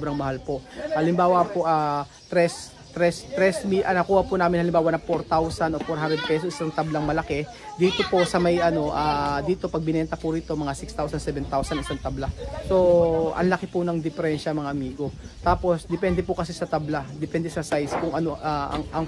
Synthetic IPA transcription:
bɾɐŋmɐhalpo̞ʔhɐlɪmbaːwɐpoʔa | t̪ɾɛs | t̪ɾɛst̪ɾɛsmiʔɐnɐkuːhɐpunaːmɪnhɐlɪmbaːwɐnɐpoɾt̪awsɐnʔo̞poɾɦand̪ɾɛd̪̚pɛsosslɐŋt̪ɐblaŋmɐlɐkɛ | d̪iːt̪o̞po̞sɐmɐjʔɐno̞ʔaːd̪iːt̪o̞pɐɡ̚bɪnɛnt̪ɐpʊɾiːt̪omɐŋasɪkst̪awsɐnsɛvɛnt̪awsɐnɪsaŋt̪ɐblaso̞ʔɐ̰nlɐkɪpʊnɐŋd̪ɪfɛɾɛnʃɐmɐŋaʔɐmiːɡo̞t̪aːpo̞sd̪ɛpɛnd̪ɛpʊkɐsɪsɐt̪ɐblad̪ɛpɛnd̪ɛsɐsajskʊŋʔɐno̞ʔaʔɐ̰ŋʔɐŋ

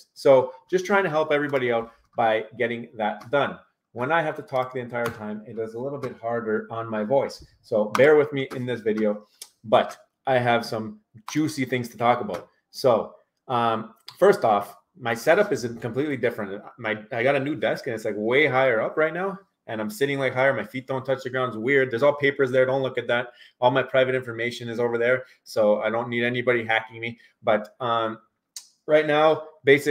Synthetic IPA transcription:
soʊd̥ʒ̥ʌstʰɹ̥aɪɪ̃ŋtʰɨɦɛlˠpɛvɹibɑɾiɛlˠs | b̥aɪɡɛɾɪ̃ŋðɨt̚d̥ʌ̃n | wə̃naɪɦæftətʰɔk̚ðiɨ̃ntʰaɪə˞tʰãɪ̃mɨt̚d̥ʌzəlɪɾl̩ˠbɪt̚hɑɹɾə˞ə̃nmaɪvɔɪsː | oʊbɛɹwɨðmiʔɪ̃nðɪsvɪɾioʊ | bʌɾ | ʔaɪɨv̥sʌ̃m | d͡ʒʉsiθɪ̃ŋz̥tʰətʰɔkəbaʊt̚ | soʊ | ʌ̃m | fɜ˞stɔf | maɪsɛɾʌpɨzɨ̃kʰəmpʰl̥itˡlidɪfɹɨ̃ntmaɪaɪɡɑɾɨnʉvɛskɨ̃nɨtslaɪkweɪɦaɪə˞ʌpɹaɪtⁿnaʊ | ʔɨ̃ñãɪ̃msɪɾɪ̃ŋlaɪkɦaɪə˞maɪfit̪̚ð̥õʊ̃ntʰʌt͡ʃðɨɡɹãʊ̃ndzwɪɹd̪̚ðə˞zɔlˠpʰeɪpə˞zðə˞dõʊ̃ntlʊkɨt̪̚ðæt̚ɔlˠmaɪpʰɹ̥aɪvɨɾɪ̃ɱfə˞meɪʃɨ̃nɨzoʊvə˞ðə˞ | soʊa̰ɪɾõʊ̃nːiɾɛnibɑɾiɦækɪ̃ŋmi | b̥ʌt̚ʌ̃m | ɹaɪtⁿnaʊbeɪsɨ

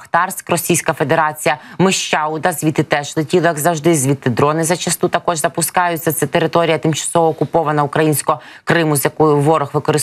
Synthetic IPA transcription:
xt̪ɑrsʲkrɔsʲijsʲkɐfed̪e̞ɾɑt͡sʲijɐmɪʃt͡ʃɑʊd̪ɐzʲʋʲit̪ɪt̪ɛʃlˠɪtʲilˠɔjɐɡzɐwʒd̪ɪzʲʋʲit̪ːɪd̪ɾɔnɪzɐt͡ʃɐst̪ut̪ɐkɔʒzɐpʊskɑjʊt͡sʲːɐt̪sɛt̪eɾɪt̪ɔɾʲijɐt̪ɪmt͡ʃɐ̥sɔʋɔːkʊpɔʋɐnɐukɾɐjinʲsʲkɔɔ | kɾɪmʊzjɐkɔjʊʋɔɾɔxʋɪkɔɾɪ

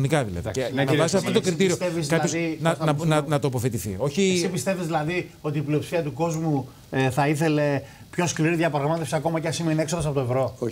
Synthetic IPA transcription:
nikɐðḭlɐ̰ðenɐsɐfot̪kɾit̪iɾiot̪evizkɐpɐosinɐnɐnɐnɐt̪oːpoθet̪iθḭo̞çisipist̪e̞vizðilɐðio̞t̪iːplio̞psiɐt̪uko̞zmu | θɐiθele̞ | pço̞skliɾiðʝɐpɾɐɣmɐt̪efsiɐko̞mɐceɐsimeine̞ksoðɐsɐpo̞t̪oevɾo̞

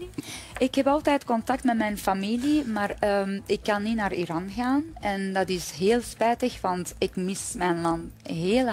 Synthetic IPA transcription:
ɪkɦɛpɑlˠtɛjtkɔntɑk̚tmɛtmɛjnfamilimaːrəmɪkːɑnːinaːrḭɾɑnɣaːnɛndɑtɪsɦeːlˠspɛːtəxʋɑntɪkmɪsmɛjnlɑntɦeːl

